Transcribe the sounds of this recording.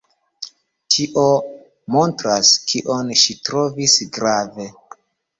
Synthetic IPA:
tʰiʔo | mo̞ntɾaskʰiʔonʃitɾo̞visɡɾave̞

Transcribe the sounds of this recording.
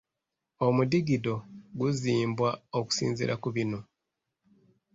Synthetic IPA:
omudiɡido̞ɡuziːmbwaoku̥sḭːnzḭɾʔakuβino

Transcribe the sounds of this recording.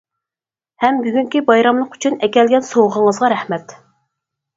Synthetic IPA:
hɛmbyɡʲyŋkʲibɑjɾɑmlˠəqy̥t͡ʃʰynɛkʲɛlɡʲɛnsowʁəɴəzʁɑɾɛhmɛt̪

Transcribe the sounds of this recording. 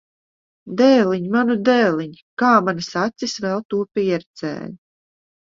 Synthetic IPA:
d̪ɛːliɲmanud̪ɛːlʲˠiɲikaːmanɨsat̪sisvɛlˠt̪uɔpʲiɛɾt̪sɛ̰ːj

